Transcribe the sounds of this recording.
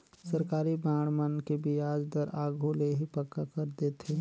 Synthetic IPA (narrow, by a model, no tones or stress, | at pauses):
sɐɾkaːɾibaːɽ̃mənkebʱiaːd͡ʒd̪əɾaːɡʱoleɦipɐkːakəɾd̪eːt̪ʰeː